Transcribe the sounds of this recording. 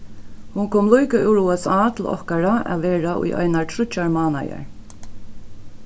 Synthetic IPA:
hʊŋkʰoːmlujkaʔɪwɾuːɛsaːt̪ʰɪlʔɔ̰hkaɹaʔa̰ʋeːɹaʔʊ̰jʔœ̰jnaɹtʰɾʏt͡ʃaɹmaːna̰ja̰ɹ

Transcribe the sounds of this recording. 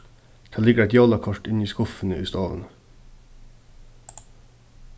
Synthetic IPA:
d̪̥ʰɑːlɪɡəɾæɪt̪jɑːlɑkʰɔʈɪniːskʊfən̩əʔʉ̰ːst̪ɑːʋə̰n

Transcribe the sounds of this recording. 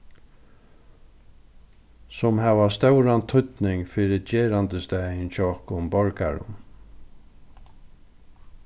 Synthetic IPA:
sʊmhɛʋast̪œwɾant̪ʰʏt̪nɪŋfɪɾɪd͡ʒeːɾant̪əst̪ænt͡ʃʰɔɔhkʊʊmbɔɹka̰ɹʊ̰m

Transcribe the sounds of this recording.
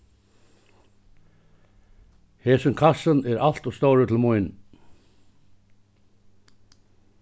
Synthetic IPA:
hɛːsʏmkʰasənɛɾʔal̥t̪ɔst̪owɾʏt̪ʰɪlmʊjn

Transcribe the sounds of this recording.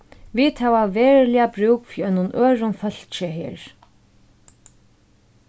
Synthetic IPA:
vit̪hɛːvavɛːɹlɪabɾuːkfiːœnʊnʔœːɹʊnfœl̥t͡ʃɪɦɛːɹ

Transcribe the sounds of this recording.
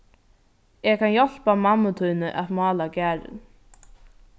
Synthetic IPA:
ɛkʰanjɔl̥pamamːʊt̪ʰujnɪʔavmɑːlacæːɾɪ̰n

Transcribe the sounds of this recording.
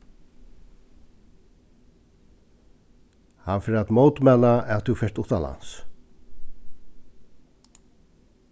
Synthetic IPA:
hanfɪɾat̪mowt̪mɛnaɛt̪ufɛʂt̪ʊht̪ala̰ns

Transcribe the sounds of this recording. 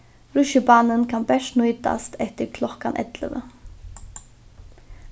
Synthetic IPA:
ɾʉʃəbɑːnənkʰanbɛʂtnuʏt̪a̰st̪ʰɛht̪əɾkʰlɔkanʔɛ̰t̪lə̰ʋə̰

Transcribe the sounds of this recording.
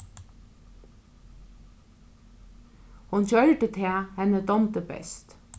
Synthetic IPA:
hʊnçœlʈət̪ʰeːhɛnəd̪ɔmt̪əbɛ̰st̪

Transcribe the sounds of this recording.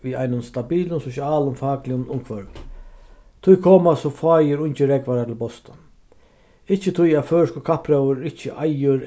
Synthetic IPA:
ʋia̰jnʊnst̪abiːlʊnsɔsaːlʊmfaːklɪʊnʊŋkʰvœɾ | t̪ʰʊjkʰoːmasɔfaːjɪɾʊɲt͡ʃɪɾɛkʋaɾat̪ʰɪlbɔst̪a | ɪht͡ʃːət̪ʰʊjaðføːɪskʊkʰapɾɛwəɾɪt͡ɕːəʔajʊɾ

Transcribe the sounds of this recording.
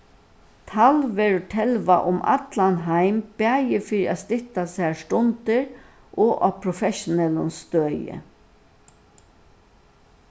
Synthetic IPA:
t̪ʰalʋɛːɹʈʰɛlʋaʔʊmʔa̰t̪lanɦaɪmb̥ɛːjəfɪɾɪast̪ɪht̪asæːst̪ʊnt̪əɹ | ʔɔːʔa̰pʰɾʊfɛʃʊnɛlʊnst̪øːjə̰

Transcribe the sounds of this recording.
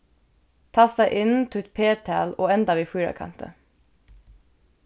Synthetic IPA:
t̪ʰɑːsd̪æɪʔɪnt̪ʰʉːt̪pʰeːt̪ʰæ̰ːloːɛnd̪ɑʋiːfʉːɑ̰kʰɑ̰nt̪ə̰

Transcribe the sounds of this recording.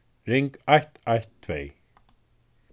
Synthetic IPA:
ɾɪŋkajht̪ajht̪ʰːvej

